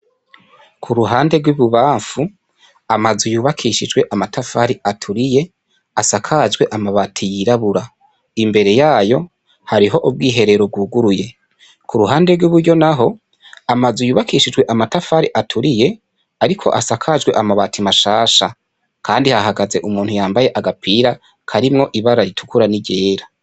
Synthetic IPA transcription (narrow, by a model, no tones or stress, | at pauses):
kʰuɾuɦaːnde̞ɾɡwuβuβaːɱfu | amazujuːβakʰiʃid͡ʒɡwe̞ʔamatʰafaɾiatʰuɾije̞ | asakʰad͡ʒɡwe̞ʔamaβatʰijiɾaβuɾa | imbe̞ɾe̞jaːjo̞ | haɾiɦo̞ʔob̚ɡiːɦe̞ɾe̞ɾo̞b̚ɡuːɡuɾuje̞ | kʰuɾuɦaːnde̞ɾɡwuβuɾɟo̞naɦo̞ | amazujuːβakiʃid͡ʒwe̞ʔamatafaɾiʔatʰuɾije̞ | aɾikʰo̞̰ʔasakʰad͡ʒɡwe̞ʔamaβatʰimaʃaːʃa | kʰaːndihahaɡaze̞ʔumuːnhujaːmbaje̞ʔaɡapʰiːɾa | kʰaɾimŋo̞ʔiβaɾaɾitʰu̥kuɾaniɟe̞ːɾa